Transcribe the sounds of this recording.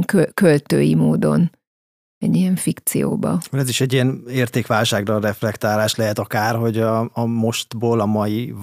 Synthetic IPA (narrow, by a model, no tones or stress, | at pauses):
ŋkøkølt̪øːjimoːd̪o̞̰n | ɛɟijɛɱfikt̪sḭjo̰ːbɒ̰ulɛziʃɛɟːijɛneːrt̪eːkʋaːlʃaːɡrɒrɛflɛkt̪aːlaːʃlɛɦɛt̪ɒkaːrɦo̞ɟɒːmo̞ʃt̪boːlɒmɒji